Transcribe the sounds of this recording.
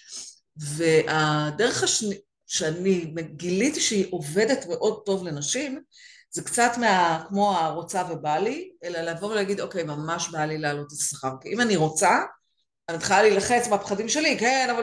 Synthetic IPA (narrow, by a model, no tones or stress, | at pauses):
ve̞ʔadeʁeχaʃni | ʃeanimeɡilitiʃeiʔo̞ve̞de̞tme̞ʔo̞d̚to̞vle̞naʃim | z̥ekt͡satmeakmo̞aʁo̞t͡savebalie̞laleavo̞ʁlehaɡid̪o̞ke̞jmamaʃbalileːlo̞tesaχaʁkiimaniʁo̞t͡sa | anit̪χalaliːlaχet͡smeapχadimʃe̞likenava